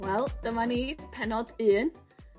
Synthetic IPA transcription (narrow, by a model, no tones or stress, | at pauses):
wɛlˠd̥əmanipʰɛnɔdɨːn